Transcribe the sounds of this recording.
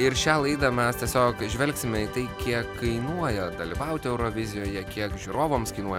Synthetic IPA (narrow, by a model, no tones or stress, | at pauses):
ɪɾʃʲæːlˠɐɪd̪ɐmʲɛst̪ʲiɛsʲoːkʒʲʋʲɛlʲksʲɪmʲɛiːt̪ɐɪkʲiɛkʰːɐɪnuɔjɛd̪ɐlʲiːʋɐʊt̪ʲɪɛʊɾoʋʲɪzʲɪjoːjɛkʲiɛkʒʲuːɾoːʋoːmskɐɪnuɔjɛ